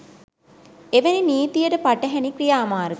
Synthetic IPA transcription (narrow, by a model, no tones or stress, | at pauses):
eʋeniniːt̪ijəʈəpaʈəɦænikrijaːmaːɾəɡ